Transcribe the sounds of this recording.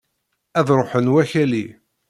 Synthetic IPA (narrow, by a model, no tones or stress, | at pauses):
æðɾˤoħənwæçæli